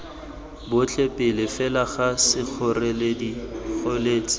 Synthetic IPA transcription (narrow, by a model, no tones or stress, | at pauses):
bʊt͡ɬepʼɪlɪfɛlaχasɪk͡xʰɔrɛledik͡xʰoleːt͡sʼɪ̥